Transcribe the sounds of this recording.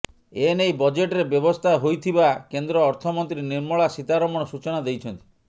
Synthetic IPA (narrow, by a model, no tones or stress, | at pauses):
enejbɔd͡ʒeʈɾebjɔbɔst̪ʰaɦojt̪ʰibakend̪ɾɔːɾt̪ʰɔmɔnt̪ɾiniɾmɔɭasit̪aɾɔmɔɽ̃ɔsut͡ʃɔnad̪ejt͡ʃʰɔnt̪i̥